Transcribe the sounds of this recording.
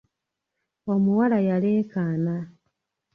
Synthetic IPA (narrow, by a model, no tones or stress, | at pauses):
o̞muwalajaleːkana